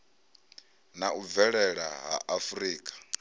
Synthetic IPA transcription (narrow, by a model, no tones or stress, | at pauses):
nauvɛɺɛɺa̰ɦa̰ʔafɾiːkʼḁ